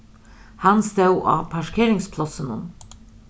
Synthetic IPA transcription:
hanst̪ewʔɑ̰ːpʰaʃkʰeːɾɪŋspʰlɔsənʊ̰n

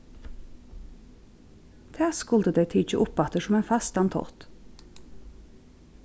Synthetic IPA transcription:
t̪ʰæːskʊld̪əd̪eɪt̪ʰɪc͡çəʔʊpɑt̪əʃɔmeːnfɑst̪ɑnt̪ʰɔ̰ʁt̪

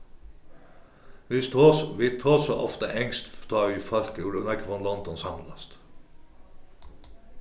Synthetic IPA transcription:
ʋist̪ʰosʋiːt̪ʰoːsɔʔɔft̪əʔɛŋst̪t̪ʰɑːʋiːfɑlkuːlʉnəkʰʋɔnlɔnd̪ɔnsɑmlɑst̪

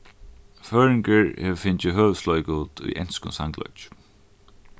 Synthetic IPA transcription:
føːɹɪŋkəɹhɛʋfɪɲt͡ʃɪɦøːʋslɔjkuːt̪ṵjʔɛ̰nskʊ̰nsa̰ŋklɔ̰t͡ʃ

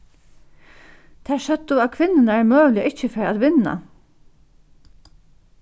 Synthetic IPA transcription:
t̪ʰæːʃœd̪uakʰʋɪnːɪnaɛɹmœːʋlɪəʔɪt͡ʃːəfɛːɹat̪ʋɪnːa̰

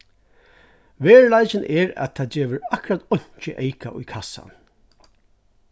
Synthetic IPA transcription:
ʋeːɹlajt͡ʃɪnʔɛɹæ̰t̪ʰaːd͡ʒeːʋɪɾakʊɾat̪ɔɲ̥t͡ʃəʔejkaʔʊjkʰasa̰n

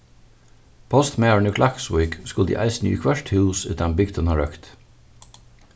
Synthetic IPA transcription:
pʰɔst̪mɛɹənʉkʰlʔɑkswiːkskʊld̪ḭːʔa̰ɪsnjʉ̰ːkʰwɛʃt̪hʉːsʉ̰t̪anbɪɡt̪ʰɔnhɑɹœkt̪

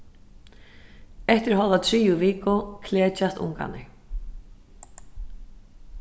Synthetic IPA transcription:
ɛht̪ɪɾɦɔlðat̪ʰɾiːjʊviːkʊkʰlɛːt͡ʃast̪ʊ̰ŋka̰nɪ̰

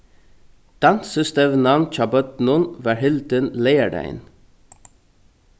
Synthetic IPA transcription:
d̪̥ɑnsəst̪əʋnɑnnt͡ʃɑbœt̪nʊnʋæːɹhɪld̪ənleɪæɖæ̰ɪn

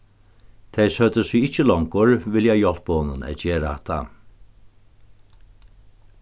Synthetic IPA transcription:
t̪ʰɛjsœt̪əsiɪht͡ʃːəlɔŋkʊɹvɪljajɔl̥pɔːnənɛ̰ðt͡ɕɛːɾat̪ʰa̰

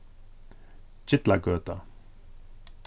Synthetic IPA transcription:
d͡ʒɪt̪laɡøːt̪a

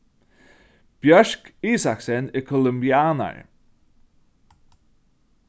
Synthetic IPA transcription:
b̥jœʃkiːsaksɛnəkʰɔləmbjaːnə̰ɹ

